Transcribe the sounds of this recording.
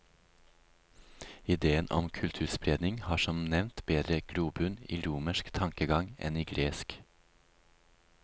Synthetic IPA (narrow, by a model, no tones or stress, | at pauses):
ɪd̪eːənʔɔ̰mkʰʉlt̪ʰʉːspɾeːd̪nɪŋhɑːʃɔmnɛʋnt̪beːd̪ɾəɡ̥ɽuːbʉnḭːɾuːməʃkt̪ʰɑŋkəɡɑŋɛ̰niːɡɾeːsk